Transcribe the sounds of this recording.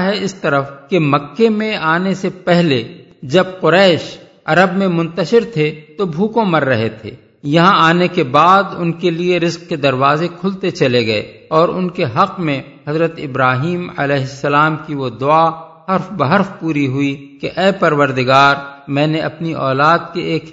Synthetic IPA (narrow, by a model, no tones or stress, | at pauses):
ɦɛɪst̪ɐɾəfkemɐkːemẽaːnesepɛɦle | d͡ʒɐbqʊɾɛːʃ | ɐɾəbmẽmʊ̃nt̪əʃɪɾt̪ʰet̪obʱuːkõmɐɾːɐɦet̪ʰḛː | jɐɦãaːnekebaːd̪ʊ̰nkelieɾɪzq̚ked̪ɐɾwaːzekʰʊlt̪et͡ʃɐleɡɐḛ | ɔːɾʊnkeɦɐqmẽ | ɦɐzɾət̪ɪbɾaːɦiːmɐ̰lɛːɦɪsːəlaːmkiʋod̪ʊa | ɦɐɾfbɐɦɐɾfpuːɾiɦʊikeʔɛːpɐɾʋəɾd̪ɪɡaːɾmɛ̃ːneʔɐpniʔɔːlaːd̪̚keʔeːk